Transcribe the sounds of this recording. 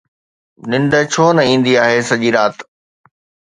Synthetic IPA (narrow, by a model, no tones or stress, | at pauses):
nɪ̃ɳɖət͡ɕʰoːnɐĩːn̆d̪iaːɦesɐʄiɾaːt̪